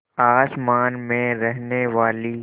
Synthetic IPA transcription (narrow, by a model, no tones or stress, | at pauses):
aːsmaːnmẽɾɛɦneʋaːli